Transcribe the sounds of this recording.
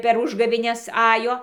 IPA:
pʲɛr ˈʊʒɡɐʋʲeːnʲɛs ˈɑːjoː

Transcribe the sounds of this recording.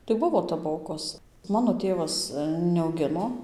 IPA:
tɐɪ ˈbʊʋoː tɐˈboːkoːs ˈmɑːnoː ˈtʲeːʋɐs nʲɛɐʊˈɡʲɪnoː

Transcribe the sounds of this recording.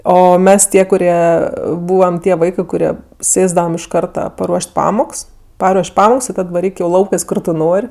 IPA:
ˈoː ˈmʲɛs ˈtʲiɛ kʊˈrʲiɛ ˈbuːʋɐm ˈtʲiɛ ˈʋɐɪkɜ kʊˈrʲiɛ ˈsʲeːzdɐʋɐm ɪʃ ˈkɐrtɐ pɐˈruɔʃʲtʲ ˈpɑːmoːks ˈpɑːruɔʃʲ ˈpɑːmoːks ɪr ˈtɐt ʋɐˈrʲiːk jɛʊ ˈlˠɐʊkɜs ˈkʊr tʊ ˈnoːrʲ

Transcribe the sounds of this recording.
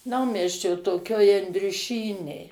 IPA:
ˈnɐʊmʲiɛsʲt͡ʃʲoː toːˈkʲoːj ɐnʲdʲrʲʊˈʃʲiːnʲeːj

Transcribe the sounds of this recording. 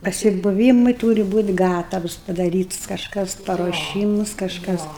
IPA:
pɐsʲɪbʊˈʋʲiːmʊɪ ˈtuːrʲɪ ˈbuːtʲ ˈɡɑːtɐws pɐdɐˈrʲiːtʊs kɐʃˈkɐs pɐruɔˈʃʲiːmʊs kɐʃˈkɐs

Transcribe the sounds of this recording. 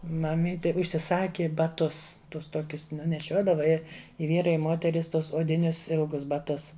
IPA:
mɐˈmʲiːtʲɪ ʊʃʲsʲɪˈsɑːkʲɪ bɐˈtʊs ˈtʊs ˈtuɔkʲʊs ˈnʊ nʲɛˈʃʲuɔdɐʋɐ ˈɪ ɪ ˈʋʲiːrɐɪ ɪ ˈmoːtʲɛrʲɪs ˈtuɔs oːdʲɪˈnʲʊs ˈɪlˠɡʊs bɐˈtʊs

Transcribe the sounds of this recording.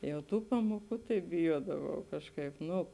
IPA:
jɛʊ ˈtuː ˈpɑːmoːˌkuː tɐɪ bʲɪˈjuɔdɐʋɐʊ ˈkɑːʃˌkɐɪp ˈnʊ

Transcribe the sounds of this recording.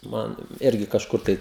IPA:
ˈmɐn ˈɪrʲɡʲɪ kɐʃˈkʊr tɐɪ

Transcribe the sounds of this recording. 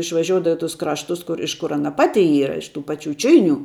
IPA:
ɪʃʋɐˈʒʲoːʊdɐʋoː ɪ tʊs ˈkrɑːʃtʊs ˈkʊr ɪʃ kʊr ˈɑːnɐ ˈpɑːtʲɪ ˈiːrɐ ɪʃ tuː ˈpɑːt͡ʃʲʊ ˈt͡ʃʲʊɪnʲuː

